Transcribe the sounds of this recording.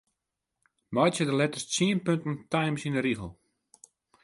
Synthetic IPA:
mɔjtjədəlɛtəst͡siənpøntn̩tajmsinəɾiɣəl̩ˠ

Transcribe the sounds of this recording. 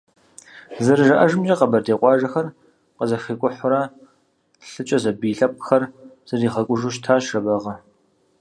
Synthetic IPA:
zɨrɨʒɐʔɐʒɨmd͡ʒɐqɐbɐrdeːqʷʼɑːʒɐxɐr | qəzɐxikʷʼʊħʷʊɾɐ | ɬɨt͡ʃʼɐzɐbiːɬɐp̚ʷʼxɐrz̥ɨriːχɐkʷʼʊʒuʃtʰaːʃrɐbɐʁɐ

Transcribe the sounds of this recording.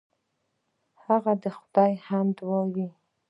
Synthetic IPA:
haɣad̪əxʊd̪ɑjhamd̪wɑwi

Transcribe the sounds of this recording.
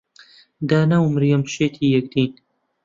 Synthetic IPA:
d̪aːnawmɨɾjomʃeːt̪ʰiːjɛk̚d̪iːn

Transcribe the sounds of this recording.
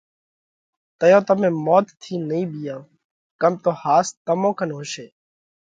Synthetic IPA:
t̪əjõːt̪əmẽːmoːt̪t̪ʰːiːnəĩːbɪjãː | kəmt̪oːhaːst̪əmõːkʰənɦʊʃeː

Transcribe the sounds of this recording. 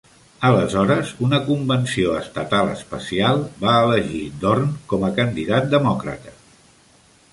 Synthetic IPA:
ələzɔɾəzunəkumbənsioəst̪ət̪alˠə̰spə̰sialˠbaələʒid̪ornkɔməkənd̪iðat̪̚d̪əmɔkɾə̰t̪ə̥

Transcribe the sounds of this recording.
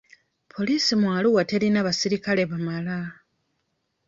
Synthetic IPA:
pʰo̞liːsimwaːluɣate̞ɾinaβasiɾikale̞βamala

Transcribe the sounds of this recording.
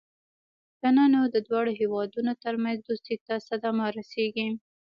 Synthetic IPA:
ɡananod̪əd̪wɑɽoɦewɑd̪unot̪əɾmanzd̪ust̪it̪asad̪amaɾaseɡi

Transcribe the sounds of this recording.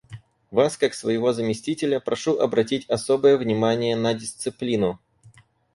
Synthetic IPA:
vaskaksvəjɪvo̞zəmʲɪsʲtʲitʲɪlʲəpɾʔɐʂuʔɐbɾɐtʲitʲɐso̞bəjəvnʲɪmanʲɪjənədʲɪst̪sɨplʲinʊ

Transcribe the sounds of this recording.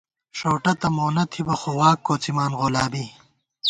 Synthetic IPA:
ʂoːʈɐt̪ɐmoːnɐt̪ʰibɐxowaːkːoːt͡simaːnʁolaːbi

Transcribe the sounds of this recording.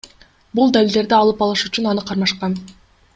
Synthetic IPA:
bulˠd̪alʲild̪e̞ɾd̪iɑlˠɯpɑlˠɯʃyt͡ʃynɑnɯqʰɑɾmɑʃqɑn

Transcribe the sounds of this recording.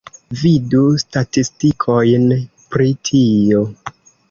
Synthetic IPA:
vidustatistikʰojn | pɾitʰio̞

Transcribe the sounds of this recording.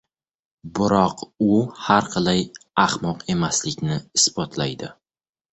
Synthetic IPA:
bʊɾɒqʊhaɾqʰɨlˠajahmɒqe̞maslɪkʲnɪɪsbɒt̪ʰlajd̪ɪ

